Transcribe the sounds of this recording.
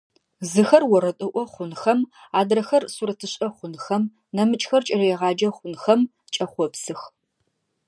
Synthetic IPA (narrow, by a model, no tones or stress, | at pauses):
zɨxɐrwɔɾɐtʼɨʔʷɔχʷʊnxɐmaːdrɐxɐrsuɾɐtʰɨɕʼɐχʷʊnxɐm | nɐmɨt͡ʃʼxɐrt͡ʃʼɐrɐjɛʁɑːd͡ʒɐχʷʊnxɐm | t͡ʃʼɐχʷɔpsɨx